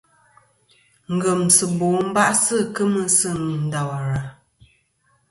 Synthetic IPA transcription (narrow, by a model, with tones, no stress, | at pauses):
ŋ̩˨ɡə˨msɨ˨boː˨˦m̩˦ba˦ʔsɨ˦˨kə˦mə˦sɨ˦˨ŋ˨n̩˦da˨wa˨ɾa˨